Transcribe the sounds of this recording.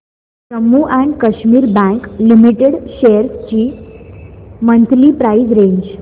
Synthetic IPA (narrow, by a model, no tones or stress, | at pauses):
səmːuʔɛ̃ɳɖkəɕmiːɾbɛ̃ŋklimiʈeɽɕejəɾst͡ɕiː | mənt̪liːpɾaisɾẽɲd͡ʑ